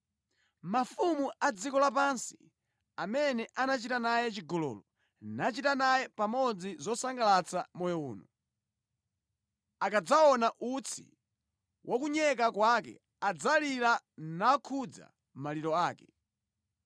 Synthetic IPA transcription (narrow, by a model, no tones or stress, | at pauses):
mafumuad͡zikɔlapansi̥ | amɛnɛʔanat͡ʃitanajɛt͡ʃiɡɔlɔ̰ːlɔ | nat͡ʃitanajɛpamɔd͡zizɔsaŋɡalat͡samɔjɔṵːnɔ | akad͡zaɔnaʔut͡sʰḭ | wʔɔkuɲɛk̬akwakɛ̰ | ad͡zaliɾanakʰud͡za̰ | maliɾɔaːkɛ